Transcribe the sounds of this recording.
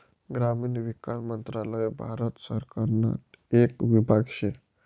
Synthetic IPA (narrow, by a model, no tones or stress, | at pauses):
ɡɾamiːnʋikasmənt̪ɾaləebʱaɾət̪səɾkaɾna̰t̪ | ekʋibʱaɡɕe